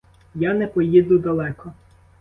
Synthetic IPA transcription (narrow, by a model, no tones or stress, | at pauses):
janɛpɔjid̪ʊd̪ɐlˠɛkɔ